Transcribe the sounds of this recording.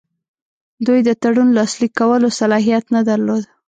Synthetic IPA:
d̪ujd̪ət̪aɽunlɑslikːawəlosalɑɦijat̪nad̪aɾlod̪

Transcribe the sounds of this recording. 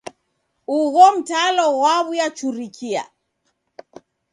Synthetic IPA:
uɣɔm̩talɔwaβujat͡ʃuɾikʰia̰

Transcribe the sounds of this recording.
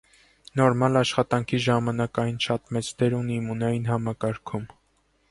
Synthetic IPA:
nɔɾmɑlɑʃχɑt̪ɑŋkʰiʒɑmɑnɑkɑjnʃɑt̪mɛt͡sʰd̪ɛɾunimunɑjinhɑmɑkɑɾkʰum

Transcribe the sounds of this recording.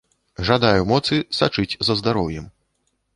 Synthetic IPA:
ʐad̪ajumɔt̪sɨsat͡ʂɨt͡sʲzɐzd̪aɾɔwjɛm

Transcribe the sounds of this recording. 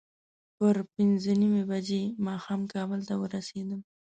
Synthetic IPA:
pəɾpɪnzənimebad͡ʒemɑxɑmkɑbəlt̪awəɾased̪əm

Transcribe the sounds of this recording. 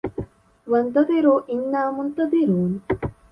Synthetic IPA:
ʋɐnd̪ɐd̪iɾuːʔinːaːmʊnt̪ɐd̪iɾuːn

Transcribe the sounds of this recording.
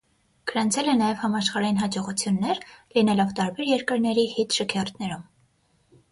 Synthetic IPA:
kʰəɾɑnt͡sʰɛlɛnɑjɛvhɑmɑʃχɑɾɑjinɦɑd͡ʒɔʁut͡sʰjunːɛɾlinɛlɔvt̪ɑɾbɛɾjɛɾkəɾnɛɾihit̪ʰʃəkʰɛrt̪ʰnɛɾum

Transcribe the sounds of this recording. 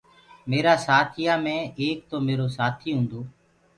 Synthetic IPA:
meːɾaːsaːt̪ʰɪjaːmẽːʔeːk̚t̪oːmeːɾoːsaːt̪ʰiːɦʊ̃ːnd̪oː

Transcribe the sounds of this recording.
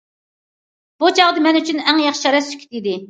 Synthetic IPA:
b̥ut͡ʃʰɑʁd̪ɨmɛnyt͡ʃʰynɛŋjɑχʃiʃɑɾɛsy̥kʲʰit̪id̪ɪ

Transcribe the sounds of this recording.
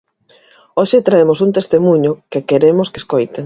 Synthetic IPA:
oʃet̪ɾaemosunt̪est̪emuɲʊkekeɾemoskeskojt̪eŋ

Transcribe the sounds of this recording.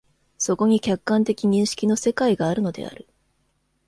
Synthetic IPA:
so̞ko̞ɲ̟ikʲakːãnt̪e̞kʲiɲ̟ĩɰ̃ɕi̥kʲino̞se̞kaiɡaːɾɯ̟no̞d̪e̞̰a̰ɾɯ̟

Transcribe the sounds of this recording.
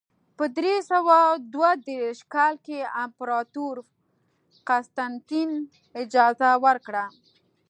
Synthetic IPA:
pəd̪ɾesawɑd̪wad̪eɾeʃkɑlkeampɾɑt̪uɾ | qast̪ant̪in | ɪd͡ʒɑzawəɾkɽa

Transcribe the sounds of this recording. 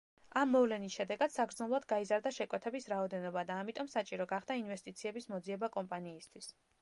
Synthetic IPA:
amːɔvlɛnisʃɛd̪ɛɡad̪̥saɡɾd̪znɛlˠad̪ɡaizaɾd̪aʃɛkʼwɛt̪ʰɛbisɾaɔd̪ɛnɔbad̪aːmit̪ʼɔmsat͡ʃʼiɾɔɡaχd̪ainvɛst̪ʼit̪sʰiɛbismɔd̪ziɛbakʼɔmpʼaniːst̪ʰwis

